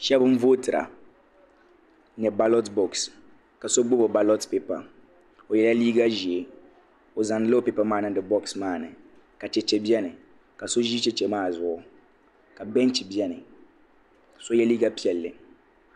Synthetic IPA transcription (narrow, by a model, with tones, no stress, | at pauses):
ʃɛ˦bɨ˦ɱ̩˦voː˦tɨ˨ɾa̰˨ | nɛ˨ba˦lɔ˦tbɔ˨ks | ka˨so˦ɡ͡bo˦bo˨ba˦lɔ˦tpe˦pa̰˨ | o˨jɛ˨la˦liː˦ɡa˦ʒi˨e˨ | o˨za˨nɨ˦lɨ˦o˦pe˦pa˦maː˦˨nɨ˦dɨ˨bɔ˦ksmaː˦˨nɨ˨ | ka˨t͡ʃɛ˨t͡ʃɛ˨bi˦ɛ˦nɨ˨ | ka˨so˦ʒiː˦t͡ʃɛ˦t͡ʃɛ˨maː˦˨zʊ˦˨ʔʊ˦ | ka˨bɛ˦n˦t͡ʃi˨bi˦ɛ˦nɨ˨ | so˦jɛ˦liː˦ɡa˦pi˦ɛ˨lːɨ˨